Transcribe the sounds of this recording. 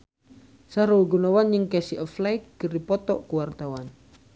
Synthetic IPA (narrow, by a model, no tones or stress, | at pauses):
saɾuwɡunawanjəŋkɛsiʔɔflajk̚ːəripɔt̪ɔ̰ʔkuwart̪awan